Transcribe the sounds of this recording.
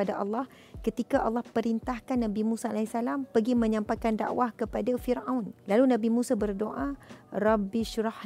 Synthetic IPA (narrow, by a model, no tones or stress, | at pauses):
adaʔɑ̰lːɑh | kət̪ikaʔɑlːɑhpəɾint̪ahkanːãbimũsaalaisalampəɡimə̃ɲãmpajkanda̰ʔwahkəpadafirawnlalunãbimũsabərdoʔarabiʃuɾah